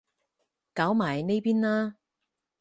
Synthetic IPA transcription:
kaː˨˥wmaː˨˩jne˥jpiː˥nlaː˥

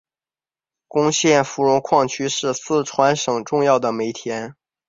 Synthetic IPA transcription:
kʊ˥ŋɕjɛ˥˩nfu˧˥ɻʊ˧˥ŋkʰwɑ˥˩ŋt͡ɕʰy˥ʂɻ̩˥˧sɹ̩˥˩ʈ͡ʂʰwa˧˥nʂɤ˨˩ŋʈ͡ʂʊ˥˧ŋjɑ˥˩ʊd̪ə˩me˧˥ɪt̪ʰjɛ˧˥n

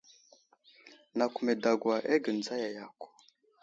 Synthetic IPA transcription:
na˨ku˨me˨da˨ɡwa˨ʔe˦ɡə˨nd͡za˦ja˨ja˨ku̥˨

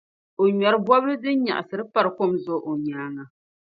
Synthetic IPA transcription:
o˨ɲɛ˨ɾɨ˦bwɔ˦blɨ˦dɨ˦n˦ɲa̰˨ʔa˨sɨ˨ɾɨ˦pa˦ɾɨ˨ko˦mzʊ˦ʔo˨ɲaː˨˦ŋa˨

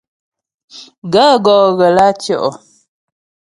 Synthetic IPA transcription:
ɡa˦ɡɔː˨ɣə˨la˦t͡ʃjɔ˦˨ʔɔ˨

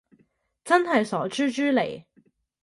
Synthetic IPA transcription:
t͡sɐ˥nɦɐ˨jsɔː˨˥t͡ʃyː˥t͡ʃyː˥lḛ˨˩j

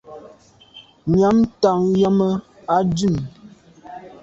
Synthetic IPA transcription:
ɲja˨˦mta˨ŋja˦mə˦ | a˦dʉ˦˨n

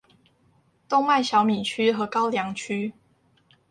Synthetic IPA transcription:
t̪ʊ˥˧ŋma˥˩ɪɕjɑ˨˦ʊmi˨˩nt͡ɕʰy˦˥xɤ˨˦kɑ˦ʊljɑ˨˦ŋt͡ɕʰy˦

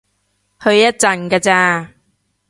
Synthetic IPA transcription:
hɵ˧ɥjɐ˥t̚t͡sɐ˧nkaː˧t͡saː˧

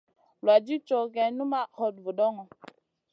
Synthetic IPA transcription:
lwa˨d͡ʒi˦t͡ʃɔ˨ɡɛ˨nu˦ma˦hɔ˨d̚vu˨ɗɔ˦ŋɔ˨

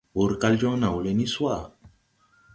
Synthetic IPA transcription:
u˨ɾka˦˧ld͡ʒɔ̃˦nã˨wu˨le˦˧ni˦swa˦˨

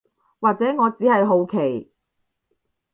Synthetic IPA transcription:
waː˨k̚t͡sɛː˨˥ŋɔː˨˧t͡siː˨˥hɐ˨jɦo˨˧wkʰe˨˩j

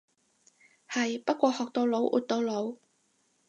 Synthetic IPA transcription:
hɐ˨jpɐ˥t̚kʷɔː˧hɔː˨k̚t̪o˧wlo˨˥wʔṵ˨˧t̚t̪o˨˧wlo˨˥w

